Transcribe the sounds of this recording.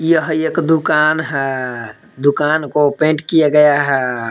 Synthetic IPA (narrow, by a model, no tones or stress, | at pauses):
ijəɦekd̪ukanɦɛ | d̪ukaːnkopẽɳʈkijaɡəjaɦɛ